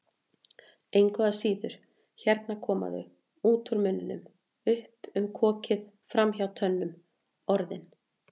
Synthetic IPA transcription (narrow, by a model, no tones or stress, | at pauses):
ejŋkvœɣasiːðʏɾ̥ | çɛɾt̪nakʰɔːma̰ðʏ̰ | uːt̪ʰʊɾmʏnːʏnʏ̰m | ʏhpʏmkʰɔːcɪð | fɾamçawt̪ʰœnːʏm | ɔɾðɪn